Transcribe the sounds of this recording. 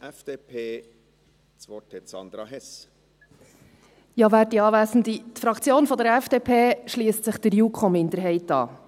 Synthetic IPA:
ʔɛfd̪̥eːpʰeː | t͡sʋɔtʰɛsɑ̰nd̪ɾɑɦɛs | jɑːvæːdiɑːvæːsn̩d̪it̪fɾɑkt͡sjoːnfɔd̪əɾɛfd̥eːpʰeːʃliːəstsɪχd̥̪əɾjuːkʰomɪnd̪əɾɦɛɪtɑ̰ː

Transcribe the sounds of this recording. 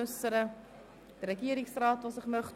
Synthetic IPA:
əsəɾə | diɾəkiəɾɪŋsrɑːtvɑsəχməχ

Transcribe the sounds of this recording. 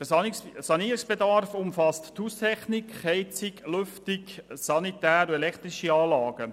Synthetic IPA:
d̥əsɑniːɾɪksb̥edɑrfʊmfɑstthust̪ʰɛχnikχhɛɪt͡siklʏftɪksɑnitæːɾuɛlɛkʰt̪ɾiʃiɑːlɑːɡ̥ə

